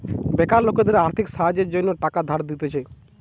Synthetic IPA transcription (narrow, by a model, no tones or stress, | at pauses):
bɛkaɾloked̪eɾaɾt̪ʰikʃaɦad͡ʑeɾd͡ʑonːoʈakad̪ʱaɾd̪it̪et͡ɕʰa